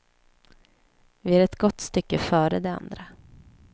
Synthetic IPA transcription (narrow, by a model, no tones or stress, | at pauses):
vɪæɾɛt̪ɡɔt̪ːst̪ʏkːəfœːɾəd̪ɛa̰nd̪ɾa